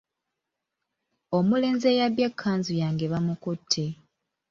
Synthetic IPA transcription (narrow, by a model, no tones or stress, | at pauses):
o̞mule̞ːnze̞jaβjekʰːaːnzujaːŋɡeβamukutʰːe̞